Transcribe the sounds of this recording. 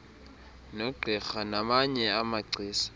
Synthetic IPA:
noɡ͡ǀʱɛxanamaɲɛamaɡ͡ǀʱiːsḁ

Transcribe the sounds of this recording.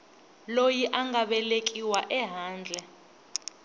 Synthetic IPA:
lojiʔaŋɡaɓɛlek̬ʼiwaʔɛɦaːnd͡ɮʱɛ

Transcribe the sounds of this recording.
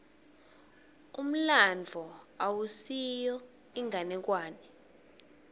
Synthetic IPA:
um̩land͡vʱɔawusijɔ | iŋʱanɛk̬waːnɛ

